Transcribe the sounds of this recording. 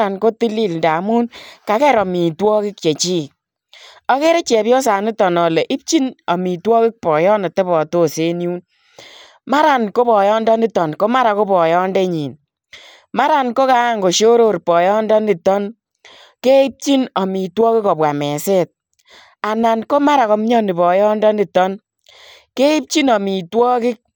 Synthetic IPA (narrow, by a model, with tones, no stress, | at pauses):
ɾa˨nko˦ti˦li˦lnda˨mu˦nka˨kɛ˦˨ɾɔ˨mi˨twɔ˦kɪ˦k̚t͡ʃe˨t͡ʃi˦ | ɔ˦ke˦ɾe˦t͡ʃɛ˨pjɔ˦sa˨nɪ˦tɔ˨nɔ˨le˨ʔi˦p̚t͡ʃi˦nɔ˨mi˨twɔ˦kɪ˦k̚pɔ˨jɔ˦nɔ˨te˦bɔ˨to˦se˦ni˦u˦n | ma˦ɾa˨nko˦pɔ˨jɔ˦ndɔ˦nɪ˦tɔ˨nko˦ma˦ɾa˨ko˦pɔ˨jɔ˦ndɛ˦ɲi˨n | ma˦ɾa˨nko˦ka˦ŋɡo˨ʃo˦ɾo˦˨ɾpɔ˨jɔ˦ndɔ˦ni˨tɔ˦n | ke˦i˦p̚t͡ʃi˦nɔ˨mi˨twɔ˦kɪ˦kɔ˨pwa˨mɛ˨se˦t̚ | a˨na˨nko˦ma˦ɾa˨kɔ˨˦m˦ɲɔ˦ni˨pɔ˨jɔ˦ndɔ˦ni˨tɔ˦n | ke˦i˦p̚t͡ʃi˦nɔ˨mi˨twɔ˦kɪ˦k̚